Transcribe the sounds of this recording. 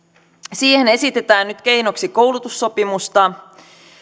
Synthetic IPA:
siːhe̞ne̞sit̪e̞t̪æːnnyt̪k̟e̞jno̞ksiko̞wlut̪usːo̞pimust̪ɑ

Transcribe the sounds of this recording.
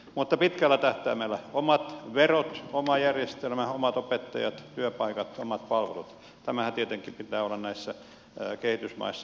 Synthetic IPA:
mut̪ːɑpit̪kælːæt̪æht̪æːmelːæomɑt̪ʋerot̪omɑjærjest̪elmæomɑt̪opet̪ːɑ̰jɑt̪t̪yøpɑikɑt̪omɑt̪̚pɑlʋḛlut̪ | t̪æmæhæt̪iet̪eŋkːipit̪æːolːɑnnæisːæ | kehit̪ysmɑ̰isːɑ

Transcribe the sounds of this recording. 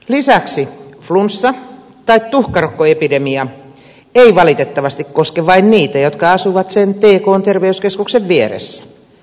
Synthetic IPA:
lisæksiflunsːɑ | t̪ɑit̪t̪uhkɑrokːoepidemiɑ | eiʋɑlit̪et̪ːɑʋɑst̪ikkoskeʋɑinniːt̪æjot̪kɑɑsuʋɑt̪sent̪eːkoːnt̪erʋeyskeskukseʋʋieɾḛsːæ̥

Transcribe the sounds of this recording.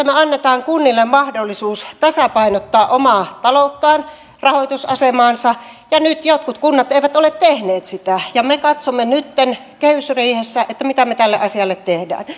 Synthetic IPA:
æmeɑnːet̪ɑːŋkunːilːemmɑhdolːisuːst̪ɑsɑpɑinot̪ːɑːʔomɑːt̪ɑlot̪ːɑːn | rɑhot̪usɑsemɑːnsɑjɑnyt̪jot̪̚kut̪kunːɑt̪eiʋæt̪olet̪t̪ehneːt̪sit̪æjɑmekɑt̪somːenyt̪ːen | keysriːhesːæʔet̪ːæmit̪æmet̪ælːḛʔɑsiɑlːet̪tehdæ̰ːn

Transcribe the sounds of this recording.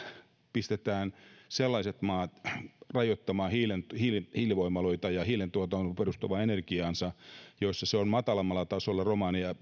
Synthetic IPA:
pist̪et̪æːnselːɑiset̪mɑːt̪rɑjot̪ːɑmɑːhilenthilhiliʋoimːɑloit̪ɑjɑhilent̪uot̪ɑonperust̪uʋɑenerkiɑːnsɑjoisːɑseonmɑt̪ɑlɑmːɑlːˑɑt̪ɑsolːɑromɑniɑ

